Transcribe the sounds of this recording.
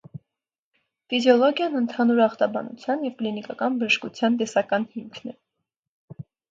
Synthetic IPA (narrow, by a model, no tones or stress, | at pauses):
fizjɔlɔɡʲjɑnənt̪ʰɑnuɾɑχt̪ɑbɑ̰nṵt͡sʰjɑnjɛvklinikɑkɑnbəʒəʃkut͡sʰjɑnt̪ɛsɑkɑnhimkʰnɛ